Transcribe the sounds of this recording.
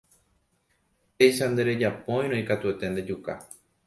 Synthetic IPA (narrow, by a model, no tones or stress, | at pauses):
e̞jʃand̪e̞ɾe̞d͡ʒapõ̞j̃ɾ̃õikat̪ue̞t̪e̞nd̪e̞d͡ʒuka̰